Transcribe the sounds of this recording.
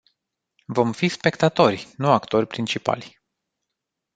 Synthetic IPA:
vo̞mfispe̞kt̪at̪o̞rʲnuakt̪o̞rʲpɾint͡ʃipa̰lʲ

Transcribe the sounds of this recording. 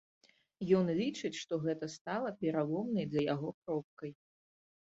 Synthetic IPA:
jɔnlʲit͡ʂɨt͡sʲʂt̪ɔɣɛt̪ɐst̪alˠɐpʲɛɾalˠɔmnɐjzɐjaɣɔkɾɔp̚kɐj

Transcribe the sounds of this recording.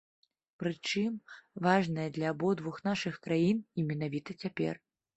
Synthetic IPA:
pɾɨt͡ʂɨmvaʐnɐjɛd̪lʲɐːbɔd̪vuxnaʂɨxkɾajinimʲɛnavʲit̪ɐt͡sʲapʲɛ̰r

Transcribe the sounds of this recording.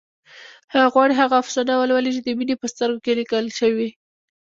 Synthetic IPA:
haɣwɑɽiɦaɣafsɑnawəlwalit͡ʃed̪əminepəst̪əɾɡokelikəlʃəwi

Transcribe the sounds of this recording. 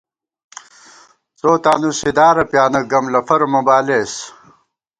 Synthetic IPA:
t͡soːt̪aːnused̪aːɾɐpjaːnɐɡɐmlɐfɐɾomɐbaːleːs

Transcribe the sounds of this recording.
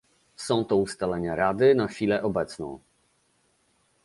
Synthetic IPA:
sɔ̃w̃t̪ɔust̪alɛɲaɾad̪ɘnaxʲfʲilɛʔɔbɛt̪snɔ̰̃w̃

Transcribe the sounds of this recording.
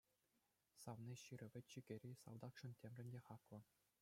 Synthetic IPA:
sɑʋnʲiɕiɾʲɘ̆ʋʲɘ̆tʲt͡ɕiɡʲɘ̆ɾʲisɑ̰lˠd̪ɑkʂɤ̆ntʲemʲrʲɘ̆nʲdʲeχɑklˠɤ̆

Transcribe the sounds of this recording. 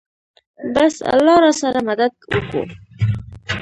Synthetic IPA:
basa̰lːɑɾɑsaɾamad̪ad̪̚wəko̰

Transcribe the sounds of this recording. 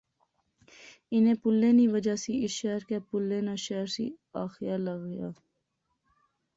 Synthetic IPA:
ɪnẽːpʊlːeːniːʋəd͡ʒaːsiɪsʃɛɦɾkepʊlːeːnãːʃɛːɾsḭːaːxjaːləɡjaː

